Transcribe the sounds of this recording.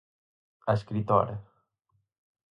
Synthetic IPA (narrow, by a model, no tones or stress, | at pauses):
askɾit̪o̰ɾə